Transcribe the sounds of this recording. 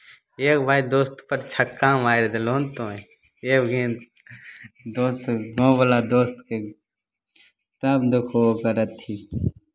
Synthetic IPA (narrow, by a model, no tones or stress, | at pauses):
eːkbʱaːid̪oːst̪pəɾt͡ʃʰɐkːãːmaːeɾd̪eloːnt̪õːe | eːbɡẽː | d̪oːst̪ɡõːbəlaːd̪oːst̪ke | t̪ɐbd̪ʊkʰoːkəɾət̪ʰːi